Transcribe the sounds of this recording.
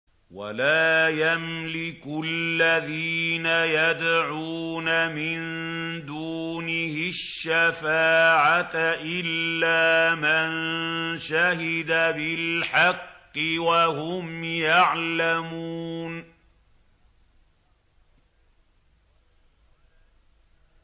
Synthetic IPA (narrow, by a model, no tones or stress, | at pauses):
wa̰laːjamlɪkʊllːaðiːnajad̪ʕuuːnamɪn | d̪uːnɪhɪʃːafaːʕatʔɪlːaːmanʃahɪd̪abɪlħɑqːɪwahʊmjaʕlamuuːn